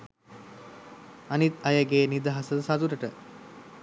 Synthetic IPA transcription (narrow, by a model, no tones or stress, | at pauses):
anit̪ɐjəɡeːnid̪aɦasəsad̪uɾəʈə